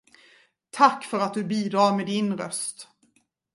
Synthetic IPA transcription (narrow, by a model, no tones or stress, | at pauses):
t̪ʰakːfœɾat̪̚d̪ɵbiːd̪ɾɑːɾmed̪ɪnɾœst̪